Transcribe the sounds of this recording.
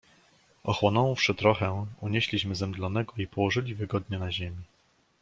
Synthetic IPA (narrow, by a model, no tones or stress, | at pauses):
ʔɔxwɔnɔ̃w̃fʂɘt̪ɾɔxɛuɲeɕlʲiɕmɘzɛmd̪lɔn̪ɛɡɔipɔwɔʐɘlʲivɘɡɔd̪ɲɛnaʑemʲi